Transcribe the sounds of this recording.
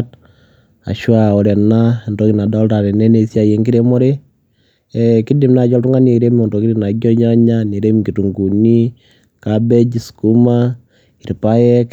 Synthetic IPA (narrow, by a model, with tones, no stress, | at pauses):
t | a̰˨ʃwa˨ɔ˨ɾɛ˨na˦˨ndɔ˦ki˨na˨da˦lta˨ɾɛ˨nɛ˦ne˨sja˨je˨ŋɡi˦ɾe˦mɔ˦ɾe˦ | ɛki˦di˨mna˨t͡ʃɔ˦ltu˦ŋa˦ne˨ɾe˦miɔ˨ndɔ˨ki˦ɾi˦na˨ɡɔ˦ɲa˦ɲa˦ne˨ɾe˦miki˨tu˨ŋɡu˨ni˦ | kabɛ˦d͡ʒi˨sku˦ma˦ | i˨ɾpa˦jɛ˦k